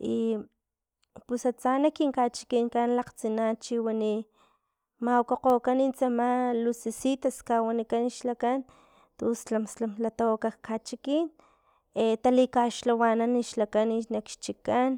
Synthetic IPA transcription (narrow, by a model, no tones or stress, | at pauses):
i | pusat͡sanakiŋkat͡ʃi̥kiŋkanlaqt͡sinant͡ʃiwani | mawkoqokanint͡samalusisit̪askawanikaniʃlakan | t̪ost͡ɬamslamlat̪awakakʰat͡ʃikin | et̪alikaʃlawananiʃlakaninakʃt͡ʃikan